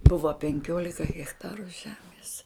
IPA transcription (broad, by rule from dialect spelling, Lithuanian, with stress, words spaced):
ˈbʊʋɐ pʲɛŋʲˈkʲoːlʲɪkɐ ɣʲɛxˈtɑːrʊ ˈʒʲæːmʲeːs